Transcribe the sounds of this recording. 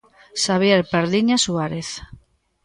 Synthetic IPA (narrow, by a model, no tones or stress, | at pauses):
ʃaβjeɾpaɾðiɲasuaɾeθ